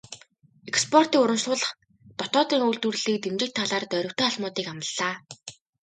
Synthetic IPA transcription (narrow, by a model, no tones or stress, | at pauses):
ekspʰɔr̥t̪iːŋʊɾə̆mʃɮʊːɮə̆χ | t̪ɔt̪ɔːt̪iːŋujɮt̪ur̆ɮiːk̚t̪emt͡ɕɪ̆k̚t̪ʰːaɮaːrt̪œɾʲɵ̆kt̪ʰeːaɮmʊːt̪iːkamə̆ɮːaː